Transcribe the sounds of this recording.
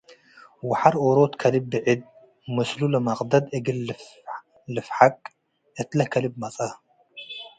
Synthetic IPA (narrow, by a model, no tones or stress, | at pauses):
wʊħaɾʔoɾot̪kʰɐlibːɨʕid̪̚ | mɐslulɐmɐqʼd̪ɐd̪ɨɡɨlf | lɨfħakʼ | ʔɨt̪lɐhkʰɐlibmɐt͡sʼɐ